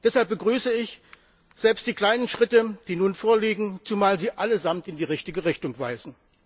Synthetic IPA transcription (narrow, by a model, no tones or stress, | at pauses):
d̥ɛshalp̚b̥əɡʁyːsəɪç | z̥ɛlpstd̥iːkl̥aɪnənʃʁ̥ɪtəd̥iːnuːnfoːɐliːɡŋ̩t͡sumaːlziːʔaləzamtɪndiːʁɪçtɪɡəʁɪçtʊŋv̥a̰ɪzn̩